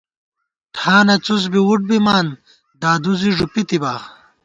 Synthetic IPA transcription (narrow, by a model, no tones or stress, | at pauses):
ʈʰaːnɐt͡sus̬biwuʈ̚bimaːn | d̪aːd̪uziʐupit̪ibaː